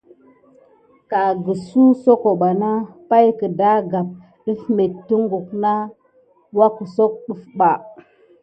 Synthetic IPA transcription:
ka˨ɡə˨su˦so˦ko˨ɓa˨na˦pa˦jkə˨da˦ɡa˨p̚ | ɗə˦fme˨tːə˦ŋɡu˨kna˦ | wa˦kə˨so˦k̚ɗu˦fɓa˨

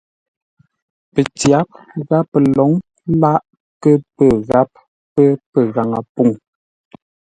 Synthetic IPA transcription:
pə˨t͡sja˨˦p̚ | ɣa˦pːə˨lɔ˨˦ŋ | la˦ʔ | kə˦pə˨ɣa˦p̚ː | ə˦pə˨ɣa˨ŋa˨pu˦˨ŋ

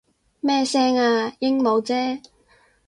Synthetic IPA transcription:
mɛː˥sɛː˥ŋaː˧jɪ˥ŋmo˨˧wt͡sɛː˥

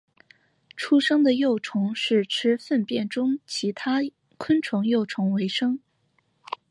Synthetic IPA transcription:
ʈ͡ʂʰu˥ʂɤ˥ŋd̪ə˨jo˥˩ʊʈ͡ʂʰʊ˧˥ŋʂɻ̩˥˩ʈ͡ʂʰɻ̩˥fə˥˧npjɛ˥˩nʈ͡ʂʊ˥ŋt͡ɕʰi˧˥t̪ʰa˥ | kʰwə˥nʈ͡ʂʰʊ˧˥ŋjo˥˩ʊʈ͡ʂʰʊ˧˥ŋwe˧˥ɪʂɤ˥ŋ

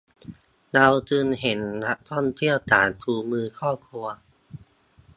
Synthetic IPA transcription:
da˧wt͡ɕ̪ɯː˧nɦe˩˦nːa˦˥k̚t̪ʰɔ˥˩ŋt̪ʰi˥˩əwt̪a̰ː˩˦nt̪ʰuː˧mɯː˧kʰɔː˥˩kʰu˧ɐ

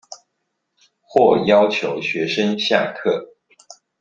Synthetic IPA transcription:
xwɔ˥˩jɑ˥ʊt͡ɕʰjo˧˥ʊɕɥɛ˧˥ʂə˥nɕja̰˥˧kʰɤ˥˩

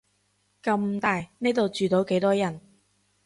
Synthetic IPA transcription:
kɐ˧˥mt̪aː˨jne˥jt̪o˨wt͡ʃyː˨t̪o˨˥wke˨˥jt̪ɔː˥jɐ˨˩n

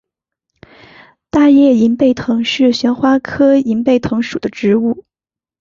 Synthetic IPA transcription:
t̪a˥˧jɛ˥˩i˧˥npe˥˩ɪt̪ʰɤ˧˥ŋʂɻ̩˥˩ɕɥɛ˧˥nxwa˥kʰɤ˥i˧˥npe˥˩ɪt̪ʰɤ˧˥ŋʂu˨˩d̪ə˦ʈ͡ʂɻ̩˧˥u˥˩

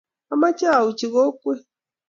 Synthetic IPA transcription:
a˦ma˦t͡ʃa˦˨u˨t͡ʃi˨ɣɔ˦kwɛ˦

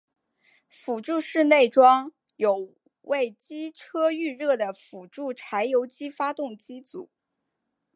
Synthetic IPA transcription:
fu˨˩ʈ͡ʂu˥˧ʂɻ̩˥˧ne˥˩ɪʈ͡ʂwɑ˥ŋ | jo˨˩ʊ | we˥˩ɪt͡ɕi˥ʈ͡ʂʰɤ˥y˥˧ɻɤ˥˩d̪ə˩fu˨˩ʈ͡ʂu˥˩ʈ͡ʂʰa˧˥ɪjo˧˥ʊt͡ɕi˥fa˥t̪ʊ˥˩ŋt͡ɕi˥t͡sṵ˨˩˦

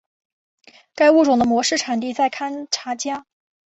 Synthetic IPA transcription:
ka˥ɪu˥˩ʈ͡ʂʊ˨˩ŋd̪ə˦mwɔ˧˥ʂɻ̩˥˩ʈ͡ʂʰa˨˩nt̪i˥˧t͡sa˥˩ɪkʰa˥nʈ͡ʂʰa˧˥t͡ɕja˥

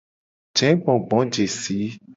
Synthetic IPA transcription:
d͡ʒɛ̃˨˦ɡ͡bɔ̃˨ɡ͡bɔ̃˨˦d͡ʒe˨si˨˦

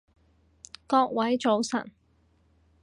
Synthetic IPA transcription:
kɔː˧k̚wɐ˨˥jt͡so˨˧wsɐ̰˨˩n

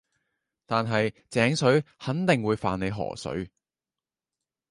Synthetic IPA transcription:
t̪aː˨nɦɐ˨jt͡sɛː˨˥ŋsɵ˨˥ɥhɐ˨˥nt̪ɪ˨ŋwuː˨˧jfaː˨ne˨˧ɦɔ̰ː˨˩sɵ̰˨˥ɥ

